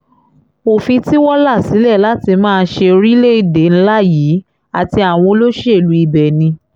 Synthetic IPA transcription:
o˨fĩ˧ti˦wɔ˦la˦˨si˨˦lɛ˦˨la˦ti˧mãː˦˧ʃe˧ɾi˦le˦i˦˨de˨˦ñ̩˦la˦˨jiː˨˦ | a˨ti˧a˨w̃ɔ̃˧lo˦ʃe˦e˨lu˨˦i˧bɛ˨nĩ˧

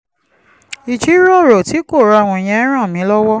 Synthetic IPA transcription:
i˨t͡ʃi˨˦ɾɔ˦˨ɾo˨ti˨˦ko˦˨ɾa˨˧a˨w̃ɔ̃˧i˨j̃ɛ̃˧˦ɾ̃ã˦˨mĩ˨˦lɔ˦wɔ˦

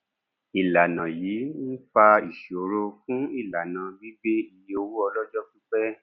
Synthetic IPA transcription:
i˨la˨nã˨jiː˨˦n̩˦fa˧i˨ʃo˨ɾo˧fũ˦i˦˨la˨nã˨˧bi˦ɡ͡be˦i˨˦o˧wu˦ɔ˧lɔ˦d͡ʒɔ˦ki˦k͡pɛ˦

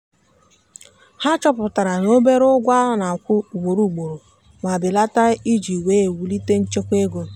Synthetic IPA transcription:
ha˦t͡ʃɔ˦pʊ˨ta˨ɾa˨no˦be˦ɾʊ˦ɡʷa˦na˨kʷʊ˦u˨ɡ͡bo˨ɾu˦˨ɡ͡bo˨ɾo˨ | ma˨bɪ˨la˦ta˦i˦d͡ʒi˨we˦e˨wu˨li˦te˦n̩˦t͡ʃe˦kʷe˦ɡo˨

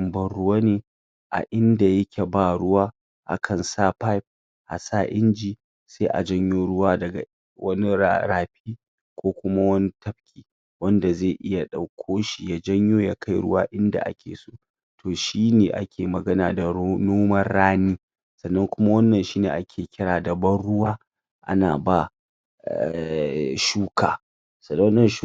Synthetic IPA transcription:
mbɐ˦nɽʊ˦waː˦neː˨ | ʔa̰˨ʔɪ˦nda˨jɐ˦kʲʰe˨baː˦˨ɽʊ˦waː˦ | ʔa̰˨kʰɐ˨nsaː˦pa˦jp̚ | ʔa̰˨sa˦˨ʔɪ˦nd͡ʒi˨ | seː˦ʔa̰˨d͡ʒɐ˦ɲjoː˦ɽʊ˦waː˦dɐ˨ɡa̰˨ | wɐ˦ni˦aɾaː˨ɸiː˦ | kʷoː˦kʷʊ˦ma˦wɐ˦ni˦tɐ˦ɸ̚kʲʰiː˨ | wɐ˦nda˨zeː˦˨ʔɪ˦ja˨ɗa˨wkʷʰoː˦ʃi˨ja˦d͡ʒɐ˦ɲjoː˦ja˦ka˦jɽʊ̰˦waː˦ʔɪ˦nda̰˨ʔa̰˦kʲʰḛː˨soː˦ | tʰoː˨ʃiː˦neː˨ʔa̰˦kʲʰeː˨mɐ˨ɡɐ˦naː˨da˨˦noː˦mɐ˦rːaː˦niː˦ | sɐ˨nːɐ˦ŋkʷʊ˦ma˦wɐ˦nːɐ˨nʃiː˦neː˨ʔa˦kʲʰeː˨kʲɪ˦ɽaː˨dɐ˨bɐ˦nɽʊ˦waː˦ | ʔa̰˦na̰ː˨ba˦˨ | ʃuː˦kʰa̰ː˨ | sɐ˨˦nːɐ˨˦

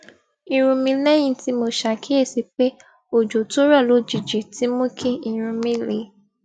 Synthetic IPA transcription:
ĩ˧ɾ̃ũ˧mĩ˧lɛ˦j̃ĩ˦ti˧˦mo˧ʃa˧˨kʰi˦e˦˨si˧k͡pe˦ | o˨d͡ʒo˨to˦ɾa˦˨lo˨˦d͡ʒi˨d͡ʒi˨ti˨˦mũ˦kʰĩ˦ĩ˧ɾ̃ũ˧mĩ˦le˨˦

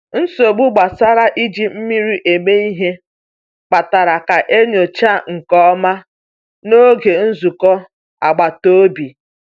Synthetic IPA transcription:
n̩˦so˨ɡ͡bu˦ɡ͡ba˨sa˦ɾa˦ʔi˦d͡ʒi˨m̩˦mi˦ɾi˦ʔe˨me˦i˦ɦe˦ | k͡pa˨ta˨ɾa˨ka˨ʔe˦ɲo˨t͡ʃa˦ŋ̩˨kɔ˦ma˦ | no˦ɡe˨n̩˦zu˨kɔ˦ | a̰˨ɡ͡ba˨to˦bi˨

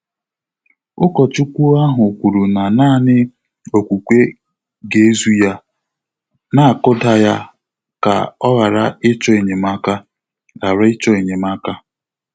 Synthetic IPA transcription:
ʊ˦kɔ˨t͡ʃu˦kʷu˦a˦ɦʊ˨kʷu˨ɾu˨na˨naː˦˨nɪ˦ | o˨kʷu˨kʷe˦ | ɡe˨e˦zu˦ja˦ | na˦a˨kʊ˦da˦ja˦ | ka̰˨ɔ˦ɣa˨ɾa˦ɪ˦t͡ʃɔ˦e˨ɲe˨ma˦ka˦ | la˨ɾa˦ɪ˦t͡ʃɔ˦e˨ɲe˨m˦a˦ka˦

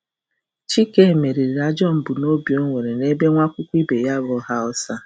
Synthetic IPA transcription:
t͡ʃi˦ke˦˨me˨ɾi˨ɾɾa˦d͡ʒɔ˦m̩˨bʊ˨no˦bjo˦ŋʷe˨ɾe˨ne˦be˦ŋʷa˦kʷʊ˦kʷi˦be˨ja˦βʊ˦ɦa˦ɔ˦sa˦

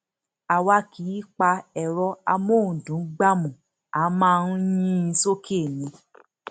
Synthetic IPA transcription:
a˧wa˧˦ki˨˦i˦k͡pa˧ɛ˨ɾɔ˧a˧mõ˦˨dũ˨˦ɡ͡ba˦mũ˨ | a˨˦mãː˦˧nu˦jĩ˦i˧so˦kʰe˦˨nĩ˨˧˦

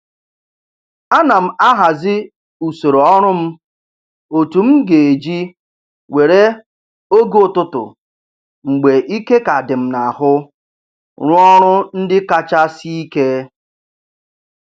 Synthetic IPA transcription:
a˦na˨m̩˨a˦ɦa˨zɪ˦ | u˨so˨ɾo˨ɔ˦ɾʊ˦m̩˦ | o˨tu˨m̩˦ɡe˨e˨d͡ʒi˦ | we˨ɾe˦ | o˦ɡʊ˨tʊ˦tʊ̰˨ | ŋ͡m̩˨ɡ͡be˨ʔi˦ke˦ka˨dɪ˨m̩˨na˨hʊ˦ | ɾʊ˦ɔ˦ɾʊ˦n̩˦dɪ˦ka˦t͡ʃa˦si˦i˦ke˦

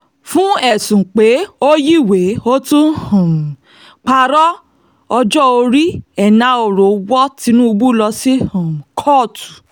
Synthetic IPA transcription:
fũ˦ɛ˦˨sũ˨k͡pe˨˦o˦ji˦˨we˨˦o˦tũ˦hã˨m˨ | k͡pa˧ɾɔ˦ | ɔ˧d͡ʒɔ˦o˧ɾi˦ɛ˨nã˧˦o˨ɾo˨wɔ˦ti˧nũ˦u˧bu˦˨lɔ˧si˦hã˨m̩˨kʰɔ˦˨tu̥˨

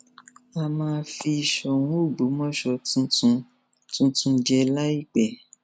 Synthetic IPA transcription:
a˧mãː˧˦fi˧i˨ʃɔ˧˨wũ˨˦o˦˨ɡ͡bu˨˦mɔ̃˦ʃɔ˧tũ˧tũ˧ | tũ˧˦tũ˧d͡ʒɛ˧la˦i˦˨k͡pɛ˨

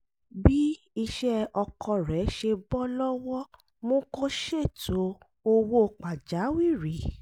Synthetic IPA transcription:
bi˦ | i˧ʃɛ˦ɔ˧kʰɔ˧ɾɛ˨˦ʃe˧bɔ˦lɔ˦wɔ˦ | mõ˦ko˦ʃe˦˨tʰo˨˦ | o˧wo˦˨k͡pa˨d͡ʒa˨˦wi˦˨ɾi˨

